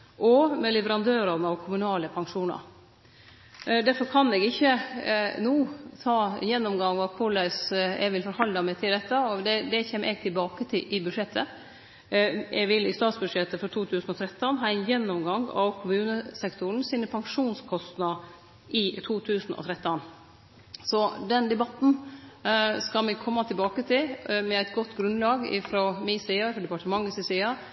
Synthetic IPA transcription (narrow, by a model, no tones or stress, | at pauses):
ʔɔmɛlɛʋəɾɑnd̪øːɾɑnəɑʋkʰʊmʉnɑːləpʰɑŋʂuːnɑ̰ɾ | d̪æɾfɔɾkʰɑnɛɡɪçːənuːt̪ʰɑːjɛnːɔmɡɑŋːʋɑpʰɔlæɪsɛ̰ɡʋɪlfɔɾhɑlɑmɛt̪ʰɪld̪ɛt̪ːəɔd̪ɛd̪ɛçeːmʔɛːɡt̪ʰɪlbɑːkət̪ʰɪlʔɪbʉʂɛt̪ʰːə | ʔɛ̰ʋɪlːɪst̪ɑːt̪sbʉʂɛt̪ːəfɔɾt̪ʰuːt̪ʰʉːsn̩ɔt̪ʰɾɛt̪ːɔnɦɑːɪnjɛnːɔmɡɑŋɑ̰kʰʊmʉːnəsɛkt̪ʊəɳ̩sinəpʰɑŋʂuːnskʰɔst̪nɑ | ʔɪt̪ʰuːt̪ʰʉːsn̩ʔɔ̰t̪ʰɾɛt̪ːɔn | sɔd̪ɛnd̪ɛbɑt̪n̩ | skɑlmɛkʰɔmːɑt̪ʰɪlbɑːkət̪ʰɪlmɛæɪt̪ɡɔt̪ːɡɾʉnlɑːɡɪ̰fɾɔmisiːɑɾfɔɖ̪ɛpɑʈəmɑŋːɪsɪsiːɑ